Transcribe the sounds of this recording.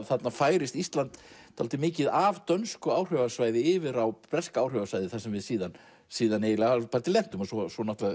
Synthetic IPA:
θat̪nafaːjɾɪst̪ist̪lant̪t̪ʰalt̪ɪmɪːcɪðavt̪œnskʏaːwr̥œvasvaːjðɪɪːvɪɾawpɾɛskaːwr̥œvasvajðɪθasɛmvɪðsiːðan | siːðanejɪlɛɣalpaɾt̪ɪlɛn̥t̪ʏmɔsɔsɔnɔt̪la

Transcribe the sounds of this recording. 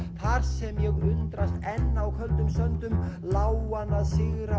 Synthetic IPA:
θaɾ̥sɛmjɛɣʏnt̪ɾast̪ɛnːawkʰœlt̪ʏmsœnt̪ʏmlaːwanaðsɪɣɾa

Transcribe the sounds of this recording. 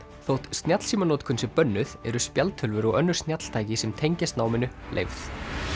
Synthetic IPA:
θowht̪st̪njat̪l̥siːmanɔːt̪kʰʏnsɪpœnːʏðɛɾʏspjalt̪ʰʏlvʏɾɔɣœnːʏɾ̥st̪njat̪l̥t̪ʰaːjcɪsɛmt̪ʰejɲcɪst̪naːwmɪnːʏlʔḛjvθ

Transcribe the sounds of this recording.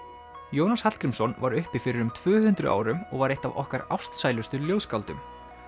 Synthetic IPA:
joːwnashat̪kɾɪmsɔnvaɾʏhpɪfɪɾɪɾʏmt̪ʰvʏːhʉnt̪ɾʏ̰ʔa̰ːwɾʏmɔ̰ɣvaɾejht̪avɔ̰hkaɾawst̪saːjlʏst̪ʏljoːwskawlt̪ʏm

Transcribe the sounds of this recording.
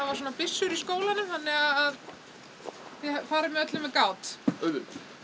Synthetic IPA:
avaɾsoːnapɪsːʏɾiskoːwlanʏmθanːɛɣaðað | θɪfaːɾɪmːɛœt̪lɪmːɛðkaːwt̪œðʏ

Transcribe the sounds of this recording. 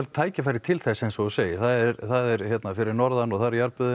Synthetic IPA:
l̚t̪ʰaːjcɪfajɾɪ̥t̪ʰɪlθɛsːejnsɔɔseːjɪθaðɛɾθaðɛɾçɛt̪nafɪɾɪɾnɔɾðanɔɣθaɾjaɾpʏð

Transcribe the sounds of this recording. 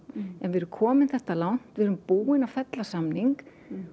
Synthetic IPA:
ɛnvɛːɾʏmkʰɔːmɪnθɛht̪alawn̥t̪vɛːɾʏmpuːɪnafɛt̪lasamniŋk

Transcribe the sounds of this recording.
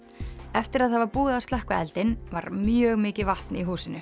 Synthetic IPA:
ɛft̪ɪɾaðhavaɾpuːðast̪ahkvaɛ̰lt̪ɪnvaɾmjœːɣmɪːcɪvaht̪niɦuːsɪnːʏ

